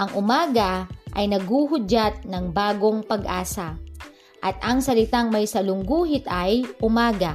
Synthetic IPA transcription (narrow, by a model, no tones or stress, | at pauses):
ʔɐŋʔʊmaːɡɐʔɐjnɐɡuːɦʊd͡ʒat̪̚nɐŋbaːɡoŋpɐɡʔa̰ːsa | ʔɐt̪̚ʔɐŋsɐlɪt̪aŋmɐjsɐlʊŋɡuːɦɪt̪ɐjʔʊmaːɡa